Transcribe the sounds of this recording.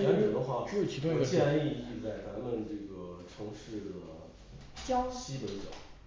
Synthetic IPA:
a˧˥n˨˩d̪ə˧xwa˥˩˥ɕjɛ˥˧ni˥˧i˥˧t͡sa˥˩ɪt͡sa˧˥mə˧nʈ͡ʂɤ˥˩ɡə˩ʈ͡ʂʰɤ˧˥ŋʂɻ̩˥˩d̪ə˩ | t͡ɕjɑ˥ʊɕi˧˥pə˧˥nt͡ɕjɑ̰˨˩˦

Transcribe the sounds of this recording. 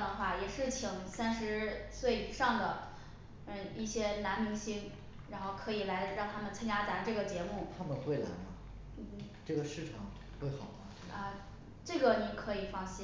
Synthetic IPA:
d̪ə˩xwa˥˩jɛ˨˩ʂɻ̩˥˩t͡ɕʰi˧˩ŋsa˥nʂɻ̩˧˥swe˥˩ɪi˨˩ʂɑ˥˩ŋd̪ə˩˧ | i˥˩ɕjɛ˥na˧˥nmi˧˥ŋɕi˥ŋ | ɻa˧˥nxo˥˩ʊkʰɤ˧˥i˨˩la˧˥ɪə˧ɻŋt̪ʰa˥mə˨nt͡sʰə˥ŋt͡ɕja˥t͡sa˧˥nʈ͡ʂɤ˥˩ɡə˩t͡ɕjɛ˧˥mu˥˩t̪ʰa˥mə˨nxwe˥˩ɪla̰˧˥ɪnə˧˩ | n̩˥˩ | ʈ͡ʂɤ˥˩ɡə˩ʂɻ̩˥˩ʈ͡ʂʰɑ˨˩˦ŋ | xwe˥˩ɪxɑ˨˩ʊt̪a˥ | ə˧ | ʈ͡ʂɤ˥˩ɡə˩ni˨˧˩kʰɤ˧˥i˨˩fɑ˥˧ŋɕi˥

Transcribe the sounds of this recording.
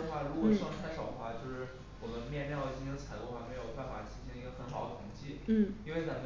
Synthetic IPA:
ə˧xwa˥˩ɻu˧˥wɔ˨˩ʂɑ˥˧ŋ˥t̪ʰa˥ɪʂɑ˨˩ʊd̪ə˦xwa˥˧t͡ɕjo˥˧ʊʂɻ̩˥˩ | wɔ˨˩mə˦nmjɛ˥˧nt̪jɛ˥˧njɑ˥˧t͡ɕi˥˧ɕʰŋt͡sʰa˨˩ɪd̪ṵ˥˩˧ə˧wa˥˩me˧˥ɪjo˨˩ʊpa˥˩nfa̰˨˩t̪ʰi˧˥ɕi˥ŋi˧˥ɡə˧xə˧˥nxɑ˨˩ʊd̪ə˩t̪ʰʊ˧˥ŋt͡ɕʰi˥˩˥i˥nwe˥˩ɪt͡sa˨˩

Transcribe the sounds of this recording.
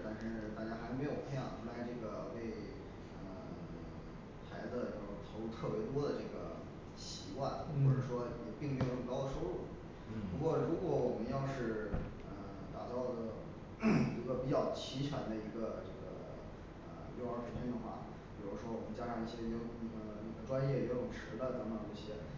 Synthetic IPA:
t̪a˥˧nʂɻ̩˥˩t̪a˥˩t͡ɕja˥xa˧˥ɪme˧˥ɪjo˨˩ʊxʰə˥jɑ̰˨˩ŋʈ͡ʂʰu˧˥la˧˥ɪʈ͡ʂɤ˥˩ɡə˩te˥˧ɪ | ə˧ | xa̰˧˥ɪd͡z̩˧t͡ɕjʊ˥˩t̪ʰo˧˥˧t̪ʰɤ˥˩pwje˧˥ɪt̪wɔ˥d̪ə˨ʈ͡ʂɤ˥˩ɡə̰˩ | ɕi˨˩kwa˥˩nɔ˧˥ʂɻ̩˥˩ʂwɔ˥jɛ˨˩pi˥˩ŋme˥ɪjo˨˩˥kɑ˥ʊd̪ə˨ʂo˥ʊɻu˥˩ | pu˧˥kwɔ˥˩ɻu˧˥kwɔ˧˥wɔ˨˩mə˦njɑ˥˧ʊʂɻ̩˥˩ | ə˧ | t̪a̰˨˩t͡sɑ˥˩ʊd̪ə˩ | i˧˥ɡə˧pi˨˩t͡ɕjɑ˥˩ʊt͡ɕʰi˧˥t͡ɕʰɥa̰˨˧˥nd̪ə˧i˧˥ɡə˧ʈ͡ʂɤ˥˩ɡə̰˩ | ə̰˩jo˥˩ʊə˞˧˥˩ə˨˩t͡ɕʰɛ˥˩ŋd̪ə˨˩xwa̰˥˩ | pi˨˩ɻu˧˥ʂwɔ˥wɔ˨˩mə˦nt͡ɕja˥ʂɑ˥˧ŋi˥˩ɕjɛ˥jni˥˩ɡə˧˩ni˨˩ɡ̪ə˦ʈ͡ʂwa˥njɛ˥˩˨ʊ˨˩ʈ͡ʂʰɻ̩˧˥d̪ə˧na˧˥mə˧˩nɤ˥˩ɕjɛ˥

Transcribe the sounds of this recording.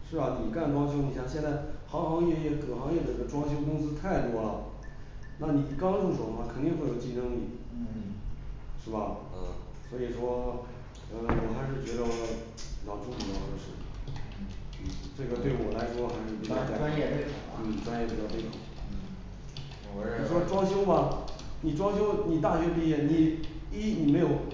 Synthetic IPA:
ʂɻ̩˥˩ɐ˩ni˨˩ka˥˩nʈ͡ʂwɑ˥ŋɕ̬jo˥ʊni˧˥ɕjɑ˥˩ŋɕjɛ˥˧nt͡sa˥˩ɪxɑ˧˥ŋxɑ˧˥ŋjɛ˥˧jɛ˥˩kɤ˨˩xɑ˧˥ŋjɛ˥˩d̪ə˨˩˧ɡə˧ʈ͡ʂwɑ˥ŋɕ̬jo˥ʊkʊ˥ŋsɹ̩˥t̪ʰa˥˩ɪt̪wɔ˥lə̰˨˩ | na˥˩ni˨˩kɑ˥ʊʈ͡ʂʊ˥˩ʂwo˧˥˩xwa˥˩kʰnt̪i˥˧ŋxwjo˨˩ʊt͡ɕi˥˩nɤ˥ŋnḭ˨˩ | ʂɻ̩˥˩bɐ˩ə˥˩swɔ˧˥i˨˩ʂwɔ˥˧˥ | a˥˧˩wɔ˨˩xa˧˥ɪʂ̬ɻ̩˥˩t͡ɕɥɛ˧˥d̪ə˧˩ | pi˨˩jɑ˥˩ʊʈ͡ʂʊ˥˧ŋm̩˨˩˥ʂɻ̩˥˩˨ | n̩˥˩ʈ͡ʂɤ˥˩ɡə˩t̪we˥˩ɪwɔ˨˩la˧˥ɪʂwɔ˥xa˧˥ɪʂɻ̩˥˩pi˧˥ɑ˥˩˥wa˥njɛ˥˧pe˥˩˨n̩˥˩˨ʈ͡ʂwa˥njɛ˥˩pi˧˩t͡ɕɑ˥˧pe˥˩ɪkʰɑ˨˩ʊ˥˩˧ | ʂwɔ˥ʈ͡ʂwɑ˥ŋɕjo˥ʊmɐ˨ni˨˩ʈ͡ʂwɑ˥ŋɕ̬jo˥ʊni˨˩t̪̬a˥˩ɕɥɛ˧˥pi˥˧jɛ˥˩ni˨˩i˥ni˨˩me˧˥ɪjo˨˩ʊ

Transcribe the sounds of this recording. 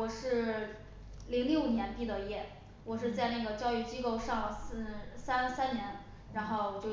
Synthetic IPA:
wɔ˨˩ʂɻ̩˥˩ | li˧˥ŋljo˥˩njɛ˧˥np̪i˥˩d̪ə˧jɛ˥˩ | wɔ˨˩ʂɻ̩˥˧t͡sa˥˧ɪna˥˩ɡə˩t͡ɕjɑ˥˧ʊy˥˩t͡ɕi˥ko˥˧ʊʂɑ˥˧ŋs̩˥˩sa˥n˥sa˥nnjɛ˧˥n | ɻa˧˥nxo˥˩ʊwwɔ˩t͡ɕjo˥˧ʊ

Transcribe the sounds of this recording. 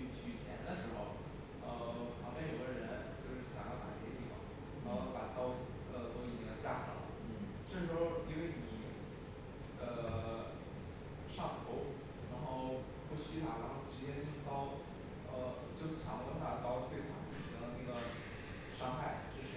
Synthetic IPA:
t͡ɕʰy˥t͡ɕʰjɛ˧˥nd̪ə˧ʂɻ̩˧˥xo̰˥˧ʊ | ə˧pʰɑ˧˥ŋpjɛ˥njo˨˩ɡə˧ɻə˧˥nt͡ɕjo˥˧ʊʂɻ̩˥˩ɕjɑ̰˨˩ŋjɑ˥˩ʊa̰˨˩t̪ʰjɛ˥t̪ḭ˥˩mɐ̰˨˩ | ə˧pa˨˩t̪ɑ˥ʊ | ə˥˧˩t̪ʊ˥i˨˩i˧˥ŋd̪ə˧˩t͡ɕja˥ʈ͡ʂɑ̰˨˩˦ə̰˩˦˥ | ʈ͡ʂɤ˥˩ʂɻ̩˧˥xo˥˧ʊi˧˥nwe˥˩ɪni˨˩˦ | ə˧˩ | ʂɑ˥˧ŋxʰo˥˩ʊ | ɻa˧˥nxo˥˧ʊ | pu˥˩ɕy˥t̪ʰa˨˩ɻa˧˥nxo˥˧˩ʊʂɻ̩˧˥t͡ɕjɛ˥ni˥˩k̪ɑ˥ʊ | ə˧ | t͡ɕjo˥˩ʊt͡ɕʰjɑ˨˩ŋk̪ə˥˧nt̪ʰa˥˧˩t̪ɑ˥˧ʊt̪we˥˩ɪt̪ʰɑ̰˨˥ŋt͡ɕi˥˩ʈ͡ʂ̩ʰ˧˥d̪ə˧na˥˩ɡə˩ | ʂɑ˥ŋxa˥˩ɪʈ͡ʂ̩˥˩ʂɻ̩˧˥

